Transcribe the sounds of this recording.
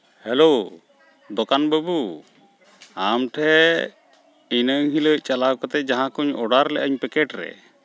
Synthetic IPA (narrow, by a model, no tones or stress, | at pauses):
hɛlo | d̪ɔkanbəbu | amʈʰɛ | inəŋɦiləc̚ˀt͡ʃalakɔt̪ɛd͡ʒaɦãkɔɲɔɽaɾlɛ̰ʔəɲpɛkɛʈɾɛ̰